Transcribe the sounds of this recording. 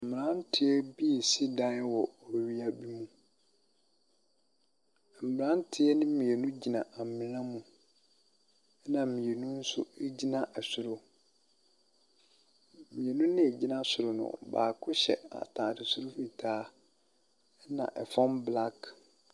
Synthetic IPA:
m̩˨m˨ɾã˦n˦tʰɪ˦ɛ˦bi˦˨si˦dã˦wɔ˨ɔ˨ɥi˦a˦bi˦mũ˦˨ | m̩˨m˨ã˦n˦tʰɪ˦ɛ˦nɪ̃˦mĩ˨e˨nũ˦d͡ʑi˨nã˨ʔa˨m˨mɪ̃˨ɾã˦mũ˨˦ | nã˨m̩˨mĩ˨e˨nũ˦n̩˦sʊ̰˦e˦d͡ʑi˦nã˨ʔɛ˨sʊ˨ɾʊ˦˨ | mĩ˨e˨nũ˦nɪ̃˦ɛ˨d͡ʑi˦nã˦sʊ˨ɾʊ˨nʊ̰̃˨ba̰ː˨kʰʊ˦ɕɛ̰˨a̰˨tʰãː˨dɪ˨sʊ˦ɾʊ˦fi˨tʰaː˦ | nã̰˨ʔɛ˨fɔ̃˦mbla˦k

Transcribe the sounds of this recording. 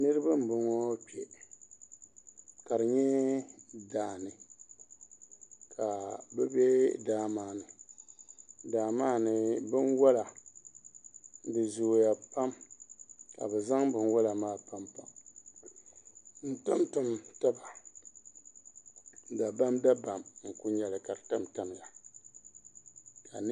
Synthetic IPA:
nɨ˦ɾɨ˦ba˦m̩˨bɨ˨ŋɔ˦k͡pɛ˨ | ka˨ɾɨ˨ɲɛ˦ | daː˨nɨ˨ | kʰa˨bɛ˦bɛ˦daː˦maː˨nɨ˨ | daː˨maː˦nɨ˨bɨ˦nwɔ˦la˨ | dɨ˨zoː˨ja˨pa˦m | ka̰˨bɛ˨za˦ŋbɨ˨n˦wa˦la˨maː˦pa˦mpa˨m | n̩˨ta˦mtʊ˦mta˦ba˨ | da˨ba˦mda˦ba˨mŋ̩˨ku˦ɲɛ˨lɨ˨ka˨ɾta˦mta˦m˨ja˨ | ka˨n˦

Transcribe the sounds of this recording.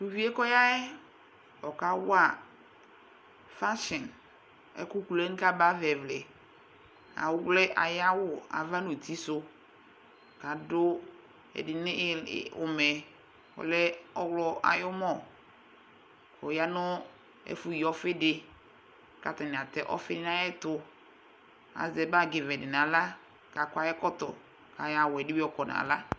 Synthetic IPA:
tu˨vi˦e˦kɔ˦ja˦ɛ˦ | ɔ˨ka˦wʊ˦a˨ | fa˦ʃɪ˨n | ɛ̰˦kʊ˦ku˨lɛ˦n˦ka˦ba˦vɛ˨vlɪ˨ | a̰˨wʊ˦wlɛ˦ʔa̰˨ja˦wʊ˨a̰˨va˦no˨tʰi˦sʊ˦ | ka˨dʊ˦ | ɛ̰˨dɪ˨nɪ̃˦˨ʊ˨mɛ˨ | ɔ̰˨lɛ˦ɔ˦wlɔ˦ʔa̰˨jʊ˦mɔ˦˨ | kɔ˨ja˦nʊ˦ | ɛ̰˦fu˨ji˨ɔ˦fɪ˦dɪ˨ | ka˨tɛ˨nɪ˨a˨tɛ˨ʔɔ̰˦fɪ˦n˦na˦jɛ˦tʊ˦ | a̰˨zɛ˨ba˦ɡɪ˨vɛ˨dɪ˨na˨la˦ | ka˨kʷa˨˦jɛ˦kɔ˦tɔ̰˨ | ka˨ja˦wʊ˨ɛ˨dɪ˦i˦ɔ˦kɔ˨na̰˨la˦

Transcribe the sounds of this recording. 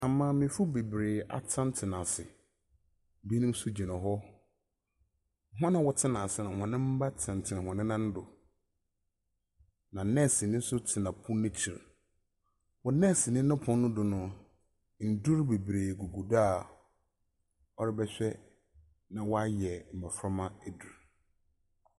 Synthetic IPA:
a˨mːã˦˨mɪ̃˨fu˦be˨bɾeː˨a̰˨tʰã˦n˦tʰɪ˨nã˨sɪ̰˨ | bi˦nʊ̃˦m˦sʊ˦d͡ʑi˨nã˨ɦɔ˦ | ŋ̩˨ɦɔ̃˦nã˨wɔ˨tʰɪ˦nã˨sɪ˨nã˨hɔ̃˨nɪ̃˦m̩˦ba˦tʰã˨n˨tʰɪ˨nɪ̃˨hɔ̃˨nɪ̃˦nã˦n̩˦dʊ˨ | nã˨nɛ̃˦˨sɪ˨nɪ̃˦n̩˦sʊ˦tʰɪ˨nã˨pʰʊ̃˦nɪ̃˦t͡ɕʰi˨ɾ | wɔ˨nɛ̃˦˨sɪ˨nɪ̃˦ʊ̃˦pʰʊ̃˦nː˦ʊ̃˦dʊ˨nʊ̃˨ | n̩˨dʊ˦ɾbe˨bɾeː˨ɡu˨ɡu˨da˦˨ | ɔ˦ɾɪ˦bɛ˦ɕᶣɛ˦ | nã˨wɔ˦a˦jɛ˨m̩˨mɛ˨fɾɔ˦mã˦ɛ˨du˨ɾ

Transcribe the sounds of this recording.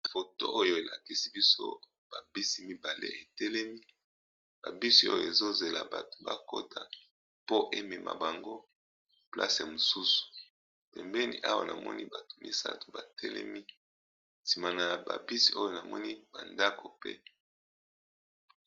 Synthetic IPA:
fo˨to̰˦ʔo˦jo˨e˨la˨ki˦si˦bi˦so̰˦ | b̥a˨bi˦si˦mi˦ba˨lḛ˦e˨tɛ˦lɛ˦mi˦ | ba̰˨bi˦si˦o̰˦jo̰˨e˨zo˦ze˨la̰˨ba̰˨to̥˨ba˦ko˦tʰa˨ | po˦ʔe˦mɛ˨mʔa̰˨ba˨ŋɡo˦ | pla̰˦sja˨mo˨su˦su̥˨ | pɛ˨mbɛ˦nḭ˦ʔa˦wa̰˨nʔa̰˨mɔ̰˦ni˦ba˨tʰo̥˨mi˦sa̰˦to̥˨ba˨tʰɛ˦lɛ̰˦mi˦ | si˨ma˨na˨ja˨ba̰˨bi˦si˦o˦jo˨na˨mɔ˦ni˦ba˨nda˦ko˨pḛ˦

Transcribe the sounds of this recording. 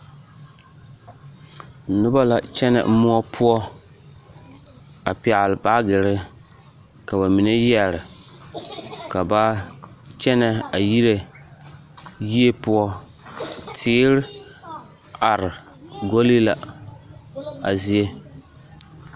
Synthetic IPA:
nʊ˦ba˦la˨t͡ʃɛ˦nɛ̰˨m̩˦mʊ˦ɔ˦pʰʊ˦ɔ˦ | a˨pɛ˨lɨ˨ba˦ɡɪ˨ɾɪ˦ | ka˨ba˨mi˨ne˦jɛ˨ɾɪ˨ | ka˨ba˦ | t͡ʃɛ˦nɛ˨a˨ji˦ɾe˨ | ji˦e˦pʊ˦ɔ˦ | tʰɪː˦ɾɪ˦ | a˨ɾɪ˨ɡo˦li˦la˨ | a̰˨zi˦e˦

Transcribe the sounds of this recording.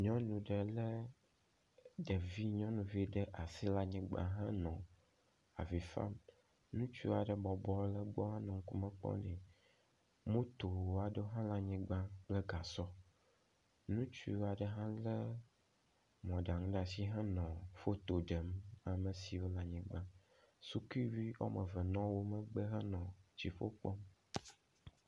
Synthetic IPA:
ɲɔ̃˦nũ˨ɖə˨lə˦ | ɖə˨vi˦ɲɔ̃˦nũ˨vi˦ɖə˦ʔa˨si˦la˦ɲĩ˦ɡ͡bã̰˨ɦã˦nɔ̃˨ | a̰˨vi˨fa̰˦m | nũ˦t͡ʃṵ˦a˨ɖə˨bɔ˨bɔ˦lə˦ɡ͡bɔ˦ɦã˦nɔ̃˨ŋ˦ku˦mə̃˦k͡pɔ̰˦nɛ̰̃˨ | mõ˦t̪o˨wo˦a˨ɖə˦ɦã˦la˦ɲĩ˦ɡ͡bã˦k͡plə˦ɡa˨sɔ˦ | nũ˦t͡ʃu˦a˨ɖə˦ɦã˦lə˦ | m˨ɔ̃˨ɖa˨ŋũ˦ɖa˨si˦ɦɛ˦nɔ̃˨fo˦t̪o˨ɖə˨ma˨mə˨si˨wo˦la˨ɲĩ˨ɡ͡bã˦ | su˦ki˦vi˦ɔ̰˦mə˨və˨nɔ̃˦wo˦mə̃˦ɡ͡bə˦ɦə˦nɔ̃˨t͡ɕi˨fo˦k͡pɔ˦m

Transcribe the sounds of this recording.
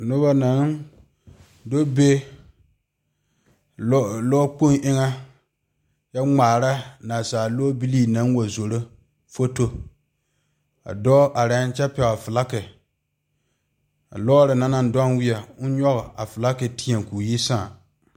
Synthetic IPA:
nʊ˦ba˦na˨n | do˦be˦ | lɔː˦k͡pu˦ŋʔɪ˦ŋa˦ | ja˦ŋ͡maː˨ɾa˦na˨saː˨loː˦bi˦li˦na˦n˦wo˨zo˨ɾo˦ | fo˦to˦ | a̰˨dɔː˦ʔa˨ɾa˨˦n˦t͡ʃɛ˦pɛ˨wa˨fɨ˨la˦kɪ˨ | a̰˨lɔː˦ɾɨ˨na˨˦na˨n˦dɔ˦nwɪ˦ɛ˨ʊ˦ɲɔ˦ɣɪ˨a˨fɨ˨la˦ke˨ti˦a˨ŋku˨ji˦sã˦˨

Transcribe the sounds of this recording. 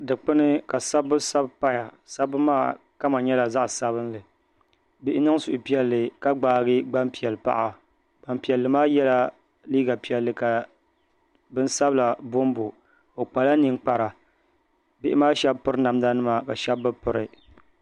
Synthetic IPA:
dɨ˨k͡pɨ˦nɨ˦ka˨sa˦bːɨ˦sa˦bpa˦ja˨ | sa˦bːɨ˦maː˦˨ | ka˦ma˨ɲɛ˦la˨za˦ʔsa˦βɨ˦nlɨ˨ | bɪ˦ʔɪ˦nɨ˦ŋ˦sʊ˨ʔʊ˨pi˦ɛ˦lːɨ˨ka˦ɡ͡baː˨˦ɡɨ˦ɡ͡ba˦mpi˨ɛ˨lɨ˨pa̰˦ʔa˨ | ɡ͡ba˨mpi˨ɛ˨lːɨ˨maː˦jɛ˦la˦ | liː˦ɡa˨pi˨ɛ˨lːɨ˨ka˨ | bɨ˦nsa˦bla˨bo˦mbo˨ | o˨k͡pa˨la˦ni˨ŋk͡pa˨ɾa˨ | bɪ˦ʔɪ˦maː˦ʃɛ˦bpɨ˦ɾɨ˦na˨mda˦nɨ˦ma˨ka˨ʃɛ˦bːɨ˦pɨ˨ɾɨ˨

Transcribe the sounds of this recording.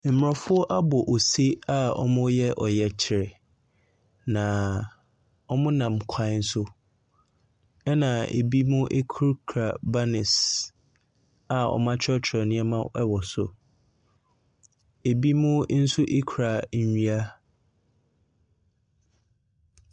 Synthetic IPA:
m̩˨m˨ɔ̃˨fʊ˦ɔ˦ʔa˦bɔ˨ʔo˨se˦a˦ɔ̰˦mʊ̃˦jɛ˦ʔɔ˨jɛ˨t͡ɕʰɪ˨ɾɪ˨ | nã˨ | ɔ˦mʊ̃˦nã˨mkʰã˦˨˦n̩˦sʊ˦ | ɛ˦nã˨ḛ˨bi˦mʊ̃˦ʔe˦kʰu˦ɾkʰɾa˨ba˦nɪ˨s | a˦ɔ̰˨mã˦t͡ɕʰɔ˦t͡ɕʰɛ˨nɪ̃˦ɛ˦mã˦ɛ˦wɔ˨sʊ̰˨ | e˨bi˦mʊ̃˦n̩˦sʊ˦ʔe˦kʰu˨ɾa˨˦˨ɲi˦a˦

